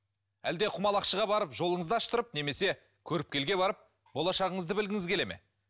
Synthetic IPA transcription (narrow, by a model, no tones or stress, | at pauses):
æ̰ld̪e̞qʰʊmɑlˠɑqʃəʁɑbɑɾəpʒo̞lˠəɴəzd̪ɑʃt̪əɾəp̚ne̞me̞se̞ | kʲʰɵɾɪp̚kʲʰe̞lɡʲe̞βɑɾəp̚ | bo̞lˠɑʃɑʁəɴəzd̪əbɪlɡʲɪŋɪzkʲʰe̞le̞mḛ